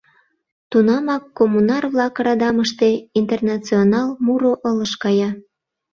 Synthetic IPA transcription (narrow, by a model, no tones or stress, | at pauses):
t̪unɑmɑkːomunɑrβlɑkrɑd̪ɑməʃt̪e̽int̪ernɑt͡sionɑlmuɾoʔələʃkɑjɑ